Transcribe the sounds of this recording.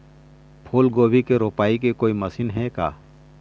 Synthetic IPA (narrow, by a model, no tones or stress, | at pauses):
pʰoːlɡoːbikeɾoːpaːikekoːimɐsiːnɦɛka̰ː